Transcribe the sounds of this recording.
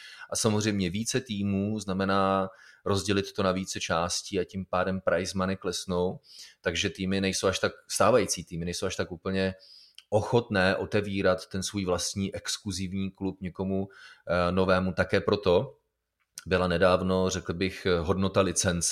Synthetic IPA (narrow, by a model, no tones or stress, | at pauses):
ʔasamozr̝ɛjmɲɛviːt͡sɛt̪iːmuːznamɛnaːɾo̞zɟɛlɪt̪ːonaviːt͡sɛt͡ʃaːsciːacimpaːdɛmpɾʔajzmanɪklɛsno̞wt̪aɡʒɛt̪iːmɪnɛjso̞waʃt̪akst̪aːvajit͡siːt̪iːmɪnɛjsowaʃt̪akʔuːpl̩ɲɛʔoxo̞t̪nɛːʔo̞t̪ɛviːɾat̪ːɛnsvujvlast̪ɲiːʔɛkskluzɪvɲiːklupɲɛko̞mu | no̞vɛːmut̪akɛːpɾo̞t̪o̞ | bɪlanɛdaːvno̞rɛkl̩bɪxɦo̞dno̞t̪alɪt͡sɛnt͡s